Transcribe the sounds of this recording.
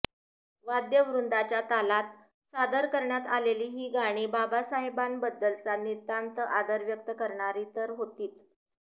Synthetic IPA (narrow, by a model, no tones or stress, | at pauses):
ʋad̪jəʋɾund̪at͡ɕjat̪alat̪̚ | sad̪əɾkəɾɳjat̪aleliːɦiːɡaɽ̃iːbabasaɦebanbəd̪ːəlt͡sanit̪ːant̪əʔad̪əɾʋjək̚t̪əkəɾɳ̃aɾiːt̪əɾɦot̪iːt͡s̪